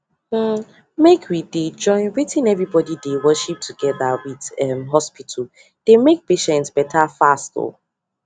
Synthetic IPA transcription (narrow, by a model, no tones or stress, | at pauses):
mekʰwided͡ʒɔ̃ɪ̃nɹitʰĩnɛvɹibɔdidewɜʃip̚tʰuɡɛðawiðɛmɦɔspitʰəl̩ | d̥emek̚peʃɛ̃ntsb̥ɛtʰafasto̰